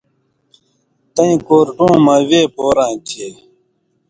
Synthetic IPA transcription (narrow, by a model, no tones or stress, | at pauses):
t̪ɐĩkoːɾʈũːmɐweːpoːɾãːt͡ɕʰeː